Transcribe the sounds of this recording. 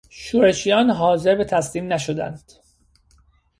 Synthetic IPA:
ʃuːɾe̞ʃijɒːnɦɒːze̞ɾbet̪ʰæsliːmnæʃod̪æ̰nd̪̥

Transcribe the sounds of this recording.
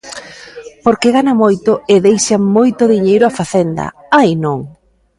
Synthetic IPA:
poɾkeɣanamojt̪ʊɪðejʃamojt̪ʊðiɲejɾʊafaθend̪ɐ̰ | ainõŋ

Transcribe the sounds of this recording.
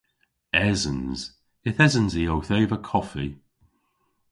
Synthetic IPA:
ɛzə̃nz̥ | ɪθɛzə̃nziowθeːvəkʰɔfi

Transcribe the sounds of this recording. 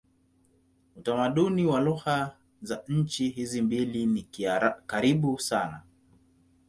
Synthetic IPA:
utamaɗuniwaluha | zaɲ̩t͡ʃiɦizimbilinikkaɾiɓusana̰

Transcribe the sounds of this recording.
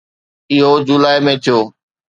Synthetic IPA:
ɪɦod͡ʑʊlaːemẽːt̪ʰijoː

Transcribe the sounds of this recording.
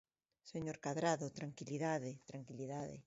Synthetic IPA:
seɲoɾkaðɾaðot̪ɾaŋkiliðaðet̪ɾaŋkiliðaðḛ

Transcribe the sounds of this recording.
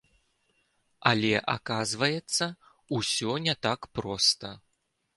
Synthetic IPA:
alʲɛʔa̰kazvɐjɛt̪sːɐ | usʲɔnʲɛt̪akpɾɔst̪ɐ

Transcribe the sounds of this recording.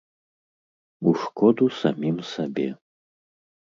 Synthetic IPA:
uʂkɔd̪usamʲimsabʲɛ

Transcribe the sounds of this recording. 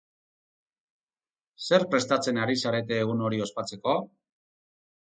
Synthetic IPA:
se̞ɾpɾe̞st̪at͡se̞naɾisaɾe̞t̪e̞ːɣ̞uno̞ɾio̞spat͡se̞ko̞

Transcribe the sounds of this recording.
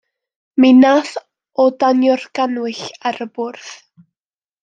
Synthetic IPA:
minaθ | ɔdanjɔrɡ̥anwɪɬaɾəbʊrθ

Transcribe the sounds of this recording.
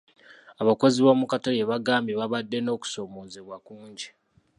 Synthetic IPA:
aβako̞ziβoːmukatajeβaɡaːmbeβaβadːe̞no̞ːku̥so̞moːzeβwakuːɲɟi

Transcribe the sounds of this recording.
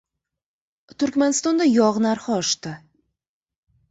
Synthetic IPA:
t̪ʰʊɾkʲmanɪst̪ɒnd̪ajɒʁnaɾχɑɒʃt̪ɪ

